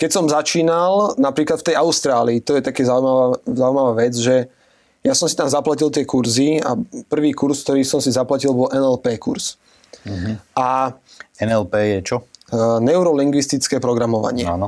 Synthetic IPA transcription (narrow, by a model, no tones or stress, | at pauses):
kɛcsɔmzat͡ʃiːnalnapɾiːklat̪ft̪ɛjaʊst̪ɾaːliːt̪ɔjɛt̪akɛːzaumaazaʊuimaʋaːʋɛd͡zʒɛ | jasɔmsit̪amzaplacilt̪ɪɛkuɾzia̰pr̩ʋiːkuɾsk̚t̪ɔɾiːsɔmsizaplacilbɔlʔɛnɛlpɛːkuɾs | ʔa | ɛnɛlpɛːjɛt͡ʃɔnɛʊɾɔliŋɡʋist̪it͡skɛːpɾɔɡɾamɔʋa̰ɲɪɛ̰a̰ːnɔ